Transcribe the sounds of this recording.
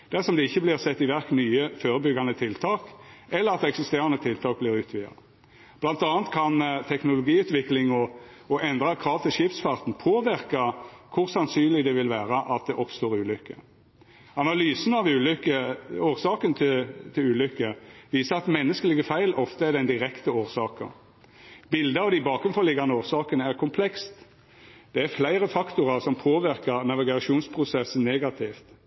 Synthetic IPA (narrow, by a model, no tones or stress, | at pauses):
d̪̥æʁsɔmd̪ɛɪçːəblɪʁsɛt̪ːɪʋæʁknyːəføːɾəbʏɡɑnət̪ʰɪlt̪ʰɑːkɛlːəʁɑt̪̚d̪ɛɛksɪst̪eːʁɑnət̪ʰɪlt̪ʰɑːk̚blɪʁʉːt̪ʰʋɪɑ̰ | b̥lɑnt̪ɑːnt̪kʰɑnt̪ʰɛknʊlʊɡiːʉːt̪ʋɪklɪŋɔ | ɔʔɛnd̪ʁɑkʰɾɑːʋt̪ʰɪlʃɪp̪sfɑʁt̪n̩pʰoːʋɪʁkɑkʰʊʁsɑnsyːnlɪd̪ɛʋɪlʋæːɾəʔɑt̪̚d̪ɛʔɔpst̪oːɾʉːlʏkːə | ɑnɑlyːsənɑʋʉːlʏkəoːʁsɑːkənt̪ʰɪt̪ʰɪlʉːlʏkːəʋiːsəɑt̪mɛnːəskəlɪɡəfæɪlʔɔft̪əæd̪æɪnd̪ɪɾɛkt̪əoːʁsɑːkə̰ʁ | bɪld̪əɑʋd̪ɪbɑːkɾʉnfɔlɪɡɑnəoːʁsɑːkənəæʁkʰʊmpʰlɛkst̪ | d̪̥ɛæʁflæɪɾəfɑkt̪ʊʁɑʁsɔmpʰoːʋɪʁkəʁnɑʋɪɡɑʃuːnspʰʁʊsɛsən̩neːɡɑt̪ʰɪft̪